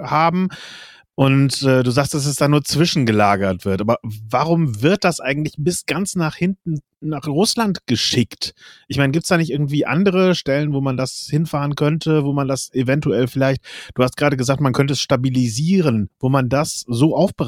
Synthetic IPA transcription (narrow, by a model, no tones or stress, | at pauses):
haːbm̩ | ʔʊntʔɛːduːzaːkstd̥as̬ɛsd̥aːnuːɐt͡sv̥ɪʃn̩ɡəlaːɡɐtv̥ɪɐtʔaːbɐvaʁʊmvɪɐt̚d̥asʔa̰ɪɡŋ̩tlɪçb̥ɪsɡ̥ant͡snaːχhɪntn̩ | naːχʁʊslantɡ̥əʃɪktʔɪçmaɪnəɡiːptsd̥aːnɪçtʔɪɐɡŋ̩tv̥iːʔa̰ndəʁ̞əʃtɛlənvoːmandashɪnfaːʁənkʰœntʰəvoːmandasevɛntuɛlfɪlaɪçt̚d̥uːhastɡ̥ʁaːdəɡəzaːk̚tmankʰœnt̬əɛsʃtabiliziːʁənvoːmandaszoːʔaʊfb̥ə